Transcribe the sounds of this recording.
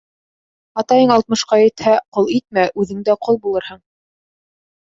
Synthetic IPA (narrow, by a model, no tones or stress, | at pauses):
ɑt̪ɑjɤɴɑlˠt̪mɤ̆ʃqɑjɘ̆t̪hæqolˠit̪̚mæʔʉðɘ̆ŋd̪æqʰolˠbulˠɤɾhɤɴ